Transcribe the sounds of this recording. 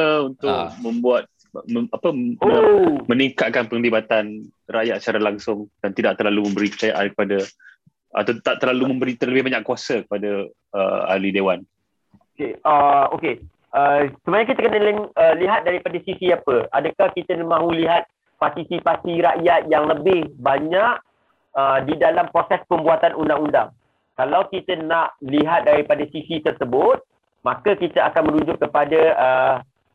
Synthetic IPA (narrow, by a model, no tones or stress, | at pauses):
əunt̪ʊk̚mə̃mbuat̪̚ | məapəomə̃niŋkat̪̚kanpəŋdibat̪an | raʔjat̪̚sət͡ʃaɾalaŋsʊŋd̥ant̪idaʔ̚t̪ərlalumə̃mbəɾipə̥t͡ʃajaʔa̰nkə̥pada | a̰t̪at̪aʔt̪əɾlalumə̃mbəɾit̪ərləbɪhbaɲakːuwasəkə̥pada | ə̰a̰lidewan | okeəoke | əsəbaɲakit̪akənələŋəliɦat̪̚daɾipadasisiapəʔa̰dakahkit̪ənmãɦuliɦat̪̚ | part̪isipasiɾaʔjat̪̚jaŋləbɪhbaɲaʔ | ədidalampɾosɛspəmbuat̪anundaŋunda̰ŋ | kalawkit̪ənaʔliɦat̪̚daɾipadasisit̪ərsəbʊt̪̚ | makakit̪aakanmə̃nuɲd͡ʒʊkkːəpadaə